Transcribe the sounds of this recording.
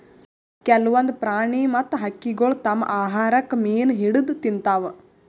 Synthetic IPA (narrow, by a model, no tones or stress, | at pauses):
kɛlʋɐnd̪pɾaːɳeːmɐt̪ɦɐkːiɡoɭt̪ɐmʔaːɦaːɾɐkmeːnɦiɽud̪t̪int̪aːʋ